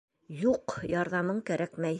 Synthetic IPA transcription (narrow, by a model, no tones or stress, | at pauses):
juqjɑɾðɑmɤɴkæɾʔækmæj